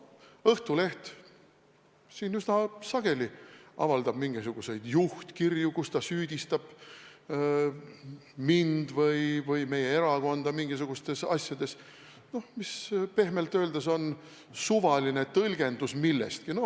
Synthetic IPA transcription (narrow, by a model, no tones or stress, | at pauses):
ɤht̪ule̞ht̪ | siːnysnɑsɑɡ̥e̞liɑ̰vɑld̪ɑb̥miŋɡisuɡ̥use̞jd̪̥juht̪kirjukust̪ɑsyːd̪̥ʲist̪ɑb̥ | mind̪̥vɤjvɤjme̞je̞e̞ɾɑko̞nd̪̥ɑmiŋɡ̥is̬uɡ̥ust̪e̞sɑ̰sʲjɑd̪̥e̞s | no̞mispe̞hme̞lt̪ːˑø̞ːld̪eso̞n | suvɑline̞t̪ɤlɡ̥e̞nd̪usmilːḛst̪kino̞